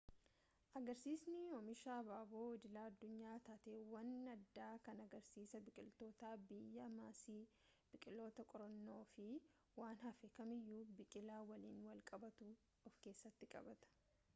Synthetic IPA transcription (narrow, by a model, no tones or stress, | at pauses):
ʔɐɡɐɾsiːsnɪɔmɪʃaːbaːboːɪd̪ɪlaːɐd̪ːʊɲːaːt̪aːt̪eːwɐnɐd̪ːaːkɐnɐɡɐɾsiːsɐbɪkʼɪlt̪o̞ːt̪aːbɪjːɐmaːsiː | b̥ɪkʼɪlo̞ːt̪ɐkʼɔɾɐnːo̞ːfɪ | waːnhɐfɛkɐmɪjːuːbɪkʼɪlaːwɐliːnwɐlkʼɐbɐt̪u | ɔfke̞ːsːɐt̪ːɪkʼɐ̰bɐt̪ɐ̥